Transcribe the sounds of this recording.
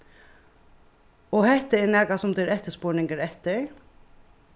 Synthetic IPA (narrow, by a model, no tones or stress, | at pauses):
ɔhɛht̪ɪɛɾnɛːkasʊmt̪ɪɾɛht̪ɪspʊːɹnɪŋkəɾɛht̪ɪɹ